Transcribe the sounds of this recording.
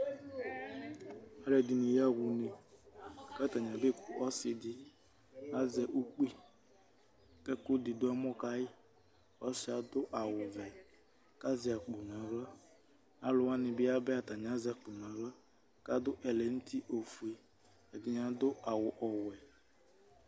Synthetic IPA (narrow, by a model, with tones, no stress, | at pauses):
a˦ɾe˦˨dɪ˨ni˨ja˦ɡʷu˨ne˦˨ | ka˦ta˨ɲ˨a˨be˦˨kʷu˨ʔɔ˦sɪ˦dɪ˦ | a˦ze˨ʔu˦k͡pi˦ | ke˦kʊ˦dɪ˨dʊ˦ɛ˦mʊ˦ka˦ɣɪ˦ | ɔ˦sɪ˦a˨dʊ˦ʔa˨wʊ˨vɛ˨ | ka˦zɪ˨a˨k͡pʊ˨na˨ɾɔ˦ | a˦lʊ˨wa˦nɪ˨bɪ˦a˦be˦a˨ta˨ɲ˨a˦zɛ˨k͡pʊ˨n˨a˨ɾɔ˦ | ka˦dʊ˦ʔe˨le˨n̩˦ti˦ʔo˨fu˨e˦ | ɛ˨dɪ˨ɲ˦a˦dʊ˦ʔa˨wʊ˨ʔɔ˨wɛ˨